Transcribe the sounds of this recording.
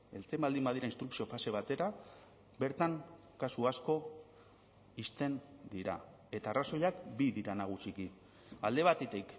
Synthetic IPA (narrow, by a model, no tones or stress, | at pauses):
e̞lt͡se̞mbald̪imbað̞iɾainst̪ɾuksio̞fase̞β̞at̪e̞ɾa | be̞ɾt̪aŋ | kasuasko̞ | ist̪e̞nd̪iɾa̰ | e̞t̪aːraso̞jakbiðiɾanaɣ̞usiki | ald̪e̞β̞at̪et̪ik